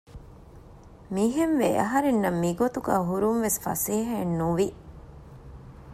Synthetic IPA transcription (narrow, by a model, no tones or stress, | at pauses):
miːɦenʋeʔɐɦɐɾenːɐmːiɡot̪uɡæ̰ːɦuɾunʋesfɐ̰seːɦɐenːuʋi